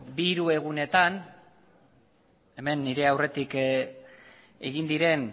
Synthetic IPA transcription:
biɾue̞ɣ̞une̞t̪an | e̞me̞nːiɾe̞awre̞t̪ik | e̞̰ɣind̪iɾe̞n

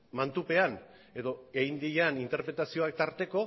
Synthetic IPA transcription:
mant̪upe̞an | e̞ðo̞ejnd̪iʎanint̪e̞ɾpɾe̞t̪asio̞ak̚t̪aɾt̪e̞ko̞

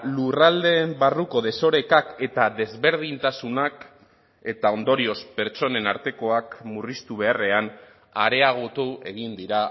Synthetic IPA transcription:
lurald̪e̞ːmbaruko̞ð̞e̞so̞ɾe̞kake̞t̪aðe̞zβe̞ɾð̞int̪asunak | e̞t̪ao̞nd̪o̞ɾio̞spe̞ɾt͡ʃo̞ne̞naɾt̪e̞ko̞akmurist̪uβ̞e̞are̞an | aɾe̞aɣ̞ot̪ue̞̰ɣ̞ind̪iɾa

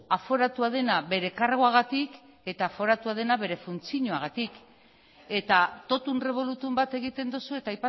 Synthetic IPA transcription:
afo̞ɾat̪uað̞e̞naβe̞ɾe̞karɣoaɣ̞at̪ik | e̞t̪aːfo̞ɾat̪uað̞e̞naβe̞ɾe̞funt͡siɲoaɣ̞at̪ik | e̞t̪at̪o̞t̪unre̞β̞o̞lut̪umbat̪e̞ɣ̞it̪e̞nd̪usue̞t̪aːjpa

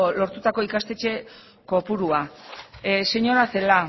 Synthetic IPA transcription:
lo̞ɾt̪ut̪ako̞ikast̪e̞t͡ʃe̞ | ko̞puɾua | se̞ɲo̞ɾase̞la

